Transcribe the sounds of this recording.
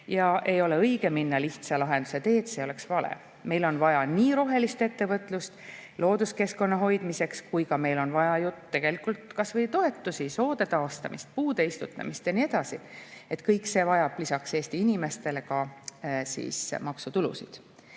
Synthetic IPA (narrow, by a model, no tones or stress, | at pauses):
jɑʔe̞jo̞le̞ɤjɡ̥e̞minːɑliht̪sɑlɑɦe̞nd̪use̞t̪e̞ːt̪se̞ːo̞le̞ksvɑlḛ | me̞jlo̞nvɑjɑniːɾo̞ɦe̞list̪e̞t̪ːe̞vɤt̪ˑlust̪lo̞ːd̪uske̞sko̞nːɑɦo̞jd̪̥mise̞kskujkɑme̞jlo̞nvɑjɑjuːe̞ɡ̥e̞likult̪ːkɑsvɤjt̪o̞e̞t̪ːˑusiso̞ːd̪̥e̞t̪ɑost̪ɑ̰mḭst̪̚puːd̪e̞ist̪ut̪ːˑɑ̰mist̪jɑnie̞d̪̥ɑsie̞t̪kɤjkːˑse̞ːvɑjɑb̥lisɑkse̞ːst̪iinime̞st̪e̞le̞kɑsḭːsmɑksut̪ulṵsḭd̪̥